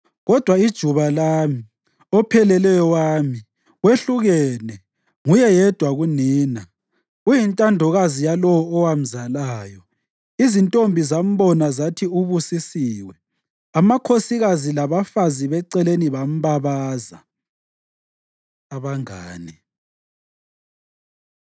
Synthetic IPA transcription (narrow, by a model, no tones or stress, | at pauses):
ɣɔd̥ʱwaid̥ʒ̥ʱuβalaːmi | ɔpʰɛlɛlɛjɔwaːmi | weɬuɣɛnɛ | ŋujɛjɛd̥ʱwaɣuniːna | ujintʼandʱɔɣazijalɔwɔɔwam̩zalaːjɔ | izintʼombʱizam̩βɔnazatʰiuβusisiːwɛ | amakʰosiɣazilaβafaziβɛǀɛleniβam̩βaβaza | aβaŋaːni